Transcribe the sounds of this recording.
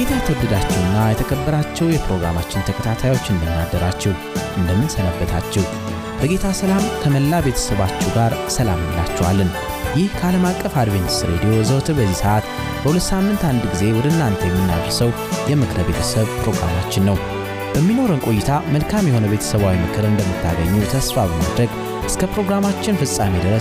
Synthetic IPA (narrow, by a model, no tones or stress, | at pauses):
ɡet̪ʰajt̪ʰəbɨd̪at͡ʃːɛwɨnːajɛt̪ʰəkʰəbːəɾat͡ʃːɛwjɛpɾo̞ɡɾa̰mat͡ʃːɪnt̪ʰəkʰət̪ʰat̪ʰajwo̞t͡ʃːɨnd̪əndad̪ːəɾat͡ʃːɛw | ʔɨnd̪əmːɨnsənəbːət̪ʰat͡ʃːɛw | b̥əɡe̞t̪ʰasəlamkʰəməlːabe̞t̪ʰə̥səβat͡ʃːɛɡaɾsəlamɨɲla̰t͡ʃːɛwalːən | jɪhkʰəaləmakʼːəfad̪βeɲt̪sɾed̪ijo̞zəwt̪ʰɨbəzːisəʔat̪ | b̥əhulət̪ːsamːɨnt̪and̪ɡize̞wɔd̪əɨnːant̪ʰəjɛmːinːa̰βɾsəw | jɛmɨkʰɨɾbe̞t̪ʰəsəβpɾo̞ɡɾa̰mat͡ʃːɪnːəw | b̥əmːino̞ɾənkʼo̞jːɪt̪ʰaməlkʰamjɛho̞nəβe̞t̪ʰə̥səβawimɨkʰɨɾɨnd̪əmːɨt̪ʰːa̰ɡəɲːut̪ʰəsfabəma̰d̪ɾəɡ | ʔɨskʰəpɾo̞ɡɾamat͡ʃːɪnfɨsʼamed̪əɾəs